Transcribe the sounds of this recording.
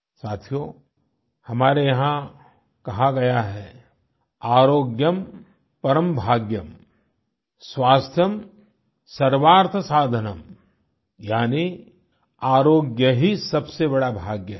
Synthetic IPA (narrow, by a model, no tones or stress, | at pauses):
saːt̪ʰijo | hɐmaːɾejɐɦã | kɐɦaɡɐjaɦɛː | aːɾoːɡjəm | pɐɾəmbʱaːɡjəm | sʋaːst̪ʰjəm | sɐɾʋaːɾt̪ʰəsaːd̪ʱənəm | jaːni | aːɾoːɡjəɦisɐbsebɐɽabʱaːɡjə